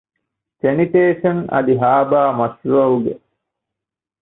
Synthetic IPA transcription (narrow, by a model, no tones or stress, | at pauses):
seniʈeːʃɐnɐ̰d̪iɦaːbaːmɐsuɐuɡḛ